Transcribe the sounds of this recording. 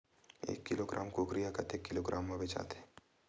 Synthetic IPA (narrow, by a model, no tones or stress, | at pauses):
ḛːkːɪloɡɾʔa̰ːmkoːkɾijakɐt̪ekːɪloɡɾʔaːmːɐbet͡ʃa̰ːt̪e̥